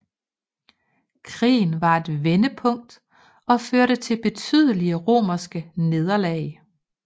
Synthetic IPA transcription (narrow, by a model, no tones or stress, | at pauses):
kʰʁḭːn̩ʋɑ̈e̝d̥ʋenəpʰɔ̽ŋ̰d̥ | ɒ̽føɐɾ̥ət͡sʰe̝lb̥e̝t͡sʰy̰ð̞ˠəliəʁo̝̰ːmɐsɡ̥əne̝ð̞ˠɐlɛ̰ɪ